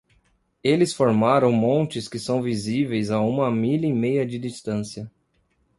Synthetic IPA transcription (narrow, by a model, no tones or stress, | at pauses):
elɪsfoɾmaɾɐ̃w̃mõnt͡ʃɪskɪsɐ̃w̃vizivejzaũmɐmilɐimejɐd͡ʒɪd̪ist̪ɐ̃sjɐ